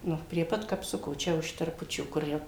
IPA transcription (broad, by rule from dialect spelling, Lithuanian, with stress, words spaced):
ˈnʊ pʲrʲiɛ ˈpɐt kɐpˈsʊkoː ˈt͡ʃʲɛ ʊʃ tʲɛrˈpʊt͡ʃʲuː kʊr ˈjɛʊ